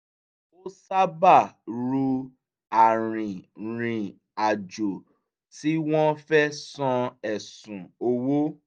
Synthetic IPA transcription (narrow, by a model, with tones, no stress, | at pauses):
o˦sa˦ba˦˨ɾu˧ | a˨ɾ̃ĩ˨ɾ̃ĩ˨ | a˨d͡ʒo˨ | ti˨˦w̃ɔ̃˦fɛ˦sɔ̃˧ɛ˨sũ˨o˧wo˦